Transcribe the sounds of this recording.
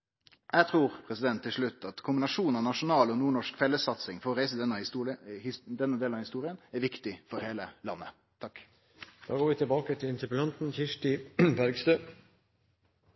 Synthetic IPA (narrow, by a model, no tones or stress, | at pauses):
jæɡt̪ʰɾuːɾpʰɾɛsɪd̪ɛnt̪ʰːɪlʂɭʉt̪ːɑt̪kʰʊmbɪnɑʂuːnɑʋnɑʂʊnɑːlɔnuːɳɔʂkfɛlːəsɑt̪sɪŋfɔɾɔɾæɪsəd̪ɛnːəhd̪ɛnːəd̪eːlnɑhɪst̪uːɾɪənæɾʋɪkt̪ɪfɔɾheːləlɑ̰nːə̰ | t̪ʰɑk | d̪̥ɑːɡoːɾʋɪːt̪ʰɪlbɑːkət̪ʰɪlɪnt̪əpəlɑnt̪n̩çɪʂʈɪbæɾɡst̪øː